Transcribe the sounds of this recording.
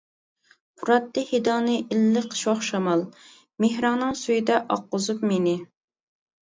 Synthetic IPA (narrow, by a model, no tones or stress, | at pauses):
pʰuɾɑt̪ːɨhed̪ɑnɨʔɪlːɨqʰə̥ʃwoχʃɑmɑlˠ | mehɾɑŋnɨŋsujid̪ɛʔɑqːʊzupmenɪ